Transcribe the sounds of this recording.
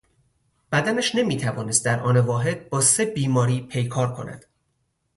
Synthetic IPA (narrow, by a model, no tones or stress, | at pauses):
b̥æd̪ænæʃne̞miːt̪ʰævɒːnest̪̚d̪æɾʔɒ̰ːnevɒːɦe̞d̪̚bɒːse̞biːmɒːɾiːpʰe̞jkʰɒːɾkʰo̞̰næ̰d̪̥